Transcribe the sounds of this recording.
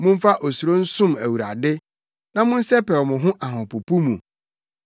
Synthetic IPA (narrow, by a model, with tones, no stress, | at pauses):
mʊ̃˦ɱ̩˦fa˦ʔo˨su˨ɾo˦n̩˦sʊ̃˦mæ˨wu˨ɾa̰˨dɪ˦ | nã˦mʊ̃˦n̩˦sɛ˦pɛ˨ɾmʊ̃˨ɦʊ̃˦ʔa˨ɦɔ̃˨pu˨pu˦mũ˨